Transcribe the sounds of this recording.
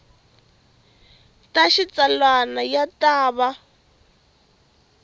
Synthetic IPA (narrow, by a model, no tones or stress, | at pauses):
taʃit͡salwanajataːβa